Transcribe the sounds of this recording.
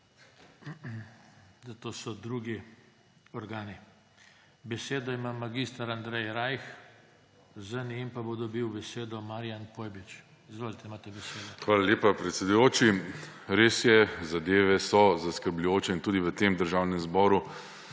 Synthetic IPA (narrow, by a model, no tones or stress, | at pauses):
zat̪oːsɔd̪ɾuɡi | ɔɾɡaːni | bɛseːd̪ɔimamːaɡist̪aɾand̪ɾɛjɾajx | zənempabod̪ɔbiwbɛseːd̪ɔmaɾijanpoːjbit͡ʃ | izʋoːlit̪ɛimaːt̪ɛbɛseːd̪ɔxʋaːlalʲjeːpapɾɛt̪sʲed̪ujoːt͡ʃiɾeːsjɛzad̪eːʋɛsɔzaskəɾblʲujoːt͡ʃɛint̪uːd̪iʋət̪emd̪əɾʒawnɛmzbɔːɾu